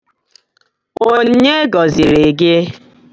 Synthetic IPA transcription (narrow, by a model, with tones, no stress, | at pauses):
o˦ɲe˦ɡɔ˨zi˨ɾe˨ɡe˦